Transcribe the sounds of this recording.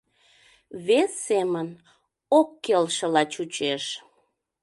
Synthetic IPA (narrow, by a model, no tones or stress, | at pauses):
βesːemən | okːelʃə̆lɑt͡ɕut͡ɕeʃ